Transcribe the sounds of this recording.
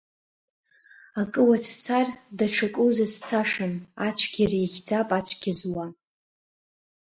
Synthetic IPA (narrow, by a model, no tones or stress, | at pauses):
akʼɨwat͡sʷʰt͡sʰardaʈ͡ʂʰakʼuwzat͡sʰt͡sʰaʂɨnat͡ɕʷʰɡʲirjaχʲd͡zapʼat͡ɕʷʰʼɡ̥ʲizwa